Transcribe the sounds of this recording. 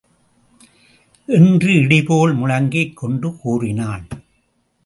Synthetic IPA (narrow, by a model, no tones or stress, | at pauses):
ʔɛndrɯɪɽɪpoːɭmʊɻɐŋɡɐɪkːɔɳɖɯkuːrɪnaːɭ